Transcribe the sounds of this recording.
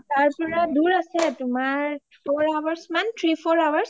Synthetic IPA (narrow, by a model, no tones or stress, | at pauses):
t̪aɾpuɾad̪uɾəsɛt̪umaɾ | foɾaʋəɾsmãnt̪ʰɾipoɾaʋəɾs